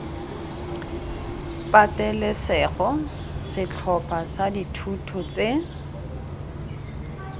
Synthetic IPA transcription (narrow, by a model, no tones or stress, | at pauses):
pʼatɛlɛsɛχɔ | sɪt͡ɬʰɔpʰasaditʰutʰɔt͡sʼe